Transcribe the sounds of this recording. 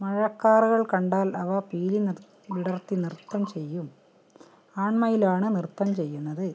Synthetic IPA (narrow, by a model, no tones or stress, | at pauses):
mɐɻɐkːaːruɣɐɭkɐɳɖaːlɐʋɐpiːli | ʋiɽɐrt̪ːinirt̪ːɐmt͡ɕe̞jːum | aːɳmɐjilaːɳɨnirt̪ːɐmt͡ɕe̞jːunːɐðɨ